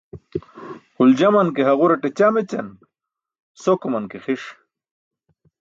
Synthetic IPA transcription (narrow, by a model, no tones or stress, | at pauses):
huld͡ʑamɐnkeɦɐɣuɾɐʈet͡ɕamet͡ɕɐ̰n | sokumɐnkexiʂ